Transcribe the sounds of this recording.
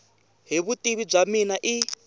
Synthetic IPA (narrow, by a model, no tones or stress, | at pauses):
ɦiβutʼiβib͡ʐaminaʔi